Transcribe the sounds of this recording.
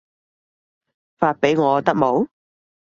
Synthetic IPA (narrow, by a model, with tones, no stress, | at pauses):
faː˧t̚pe˨˥jŋɔː˨˧t̪ɐ˥k̚mo˨˥w